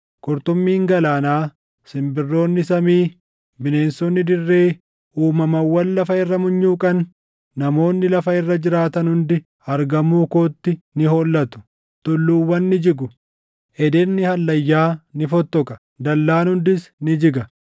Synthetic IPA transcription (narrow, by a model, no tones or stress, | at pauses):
kɔɾt̪ɔmːiːŋɡɐlaːnaː | sɪmbɪrːo̞ːnːɪsɐmiː | bɪne̞ːnsɔnːɪd̪ɪrːe̞ː | uːmɐmɐwːɐllɐfɐɪrːɐmʊɲːuːkʼɐnː | ɐmo̞ːnːɪlɐfɐɪrːɐd͡ʒɪɾaːt̪ɐnhʊnd̪ɪ | ɐɾɡɐmːuːkoːt̪ːɪnɪɦoːlːɐt̪ʊ̥ | t̪ʊlːuːwːɐnːɪd͡ʒɪɡʊ | ʔɛd̪ɛnːɪhɐlːɐjːaːnɪfɔt̪ːɔkʼɐ̥ | d̪ɐlːaːnhʊnd̪ɪsnɪd͡ʒɪɡɐ